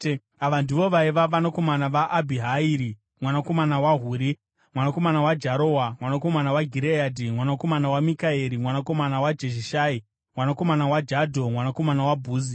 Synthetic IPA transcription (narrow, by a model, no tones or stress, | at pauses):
aʋandiʋo̞ʋaiʋaʋanako̞manaʋaʔːbʱiɦaiɾi | mwanako̞manawaɦuːɾi | mwanako̞manawad͡ʒaɾowamwanako̞manawaɡʱiɾejadʱimwanakomanawamikaeɾimwanako̞manawad͡ʒeʃiʃaːi | mwanako̞manawad͡ʒadʱo̞mwanako̞manawabʱuːzi